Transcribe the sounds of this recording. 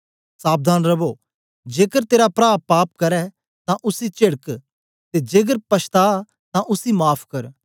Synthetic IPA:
saːb̚d̪ʱaːnɾɐboː | d͡ʒeːkəɾt̪eːɾapɾaːpːaːp̚kɐɾɛ | t̪ãʔʊsit͡ʃɪɽək | t̪eːd͡ʒeːk̬əɾpɐʃt̪aː | t̪ãʔʊsimaːpʰkɐɾ

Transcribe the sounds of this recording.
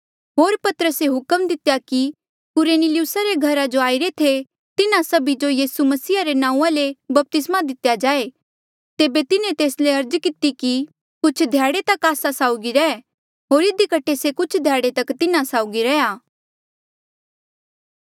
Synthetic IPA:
ɦoːɾpɐt̪əɾəseɦʊkəmd̪ɪt̪jaki | kʊɾenilɪʊsaɾeɡʱɐɾad͡ʒoaːɪɾet̪ʰe | t̪ɪnãsɐbid͡ʒojiːsumɐsiːaɾenãːũãlebɐp̚t̪ɪsmad̪ɪt̪jad͡ʒaːe | t̪eːbet̪ɪnẽt̪eːsleɐɾd͡ʒkɪt̪iki | kʊt͡ʃʰd̪ʱjaːɽet̪ɐkaːsasaːʊɡiɾɛɛ | ɦoːɾɪd̪ikɐʈʰesekʊt͡ʃʰd̪ʱjaːɽet̪ɐkt̪ɪnãsaːʊɡiɾɛjaː

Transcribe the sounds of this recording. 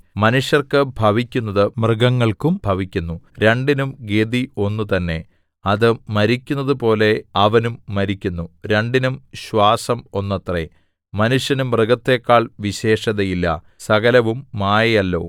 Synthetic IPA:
mɐnuʂjɐrkɨbʱɐʋikʲːunːɐðɨmrɨɡɐŋːɐɭkumbʱɐʋikʲːunːuɾe̞ɳɖinumɡed̪io̞nːut̪ɐnːe̞ | ɐðɨmɐɾikʲːunːɐðɨpo̞ːle̞ɐʋɐnumːɐɾikʲːunːuɾe̞ɳɖinumɕʋaːsɐmo̞nːɐt̪rḛ | mɐnuʂjɐnumrɨɡɐt̪ːe̞ːkːaːɭʋiɕe̞ːʂɐðɐjilːɐ̰ | sɐɣɐlɐʋumːaːjɐjɐlːo̞̰ː

